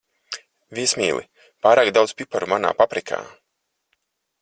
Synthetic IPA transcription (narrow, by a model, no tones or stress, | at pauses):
viɛsmʲḭːlˠḭ | paːɾaːkd̪awd̪spʲipaɾumana̰ːpapɾikʰa̰ː